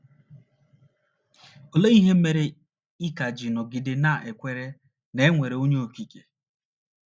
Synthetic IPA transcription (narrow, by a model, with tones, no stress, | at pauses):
o˨le˦ŋi˦ɦe˦m̩˦me˨ɾe˨ | i˦ka˨d͡ʒi˨nɔ˨ɡɪ˨dɪ˨na˦˨ʔe˨kʷe˦ɾe˦ | ne˦ŋʷe˨ɾe˨o˦ɲe˦o˨ki˨ke̥˨